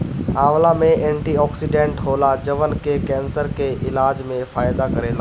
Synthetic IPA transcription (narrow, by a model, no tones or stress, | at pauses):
aːʋlamẽʔẽːɳʈiɔːksiɖẽːɳʈɦoːlad͡ʒəʋənkekɛ̃ːnsəɾkeʔɪlaːd͡ʑmẽfaːjd̪akɐɾẽːlaː